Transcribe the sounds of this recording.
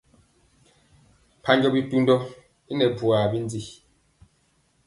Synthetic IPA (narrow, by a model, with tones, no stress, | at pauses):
pʰa˦ɲd͡ʒɔ˦bi˦tu˦n˦dɔ˦ | i˦nɛ˨bwa˨bi˦n˦d͡zi˦˨